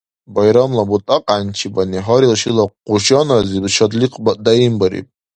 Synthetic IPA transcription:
bajɾamlabutʼaqʼant͡ʃʰibaniɦaɾilʃilaquʃʼanazibʃad̪liqʼbatʼdaimbaɾḭpʼ

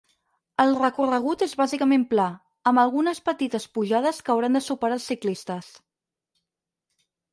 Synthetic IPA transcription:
əlˠrəkurəɣ̞ut̪ezβazikəmempla | əmbəlˠɣunəspət̪it̪əspuʒað̞əskəwɾand̪əsupəɾalˠsiklist̪əs

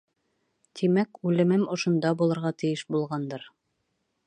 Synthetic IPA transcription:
t̪ʰimækʉlɘ̆mɘmŏʃŏnd̪ɑbulˠɤ̆ɾʁɑt̪ɘ̆jɘʃbulˠʁɑnd̪ɤɾ

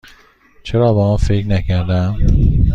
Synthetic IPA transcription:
t͡ʃʰeɾɒːbɒmɒnfeknæcʰæɾd̪æm

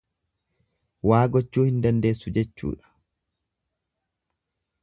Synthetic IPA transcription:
waːɡɔt͡ʃːuːhɪnd̪ɐnd̪eːsːʊd͡ʒɛt͡ʃːṵːᶑɐ̥

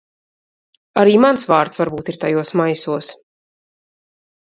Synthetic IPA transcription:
aɾiːmansvaːɾt̪svaɾbuːt̪iɾt̪ajuɔsmajsuɔs

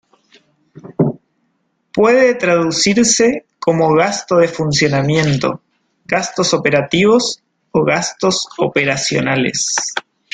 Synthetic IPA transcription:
pweðet̪ɾaðusiɾseko̞mo̞ɣast̪o̞ð̞e̞funsjo̞namjẽ̞nt̪o̞̰ | ɣast̪o̞so̞pe̞ɾat̪iβ̞o̞s | oɣast̪o̞sopeɾasjo̞̰nalḛs

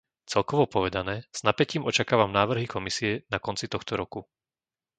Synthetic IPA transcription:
t͡sɛlˠkɔʋɔpɔʋɛd̪anɛːz̥napɛciːmʔɔt͡ʃakaːʋamnaːʋr̩ɦikɔmisiɛnakɔnt͡sit̪ɔxt̪ɔɾɔku

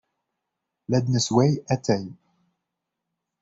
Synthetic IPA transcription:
læd̪nəswɛjæt̪æj

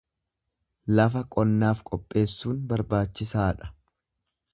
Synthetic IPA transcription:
lɐfɐkʼɔnːaːfkʼɔpʼːe̞ːsːuːnbɐɾbaːt͡ʃːɪsaːᶑɐ̥

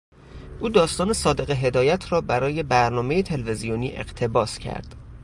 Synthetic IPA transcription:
ʔuːd̪ɒːst̪ɒːne̞sɒːd̪e̞ɣeɦe̞d̪ɒːjæt̪ʰɾɒːbæɾɒːje̞bæɾnɒːme̞jet̪ʰe̞lvezijoniːʔe̞̰ɢ̥t̪ʰe̞bɒːscʰæ̰ɾd̪̥

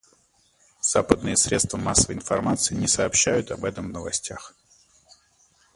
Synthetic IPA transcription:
z̥apəd̪nɨjəsɾʲe̞t̪st̪vəmasːəvəɪnfɐ̰rmat̪sɨɪnʲɪsɐːpɕːæjʊt̪ɐbɛt̪əmvnəvɐsʲtʲax

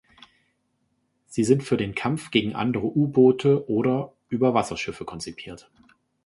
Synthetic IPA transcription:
z̥iːzɪntfyːɐdeːnkʰamfɡ̥eːɡŋ̩ʔa̰ndəʁəʔuːboːtʰəʔoːɾɐ | ʔyːbɐvasɐʃɪfəkʰɔnt͡sipʰiːɐt

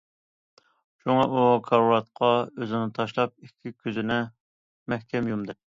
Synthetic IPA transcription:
ʃuŋɑʔukʰɑɾuɾɑt̪̚qʰɑøzɪnɪt̪ʰɑʃlˠɑp̚ikʲʰːikʲʰøzɪnɛ | mɛhkʲʰɛmjumd̪ɨ

